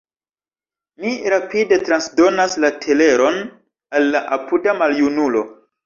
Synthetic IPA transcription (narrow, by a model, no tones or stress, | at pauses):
miɾapide̞tɾansdo̞naslatʰe̞le̞ɾo̞n | alːaʔapudamaljunulo̞